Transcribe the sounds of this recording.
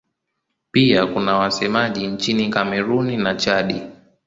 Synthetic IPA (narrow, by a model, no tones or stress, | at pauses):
piakunawasɛmaʄiɲt͡ʃinikamɛɾuninat͡ʃaɗi